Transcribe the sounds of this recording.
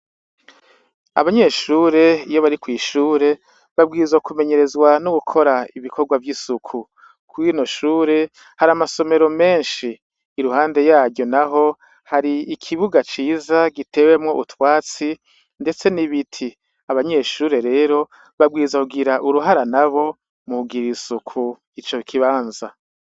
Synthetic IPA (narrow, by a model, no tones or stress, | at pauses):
a̰βaɲe̞ːʃuːɾe̞ijo̞βaɾikwiːʃuːɾe̞ | βabɡiːzwakume̞ɲe̞ɾe̞zɡwanuɡukʰo̞ɾaiβikʰo̞ɾɡwavjisukʰu | kʰuwiːnoʃuːɾe̞ | haɾamaso̞me̞ɾo̞me̞ːnʃiː | ɾuhaːnde̞jaːɾɟo̞naɦo̞ | haɾiikʰiβuɡat͡ʃiːzaɡite̞we̞mŋo̞ʔutwaːt͡si | nde̞t͡se̞niβitʰi | aβaɲe̞ʃuːɾe̞ɾe̞ːɾo̞ | βabɡiːizwakuɡiɾaʔuɾuɦaɾanaβo̞ | muɡiɾisukʰu | it͡ʃo̞kʰiβaːnza